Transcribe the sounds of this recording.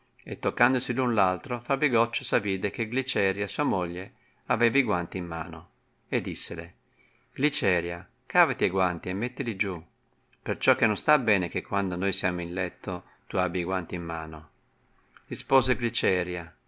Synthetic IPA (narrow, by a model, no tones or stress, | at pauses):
et̪ːokːand̪osilunlalt̪ɾofabiɡɔt͡ʃːosaviːd̪ek̟eɡlit͡ʃɛːɾjasuːamoʎːe | avɛːviɡwant̪iːmːa̰ːno | ed̪ːisːele | ɡ̥lit͡ʃɛːɾja | kaːvat̪iaɡwant̪iemːet̪ːilid͡ʒu | pert͡ʃɔkːenːõnst̪abɛːnek̟ekʰːwand̪onojsjaːmoinlɛt̪ːo | t̪uabjaɡwant̪iimːaːno | rispoːzeɡlit͡ʃɛːɾja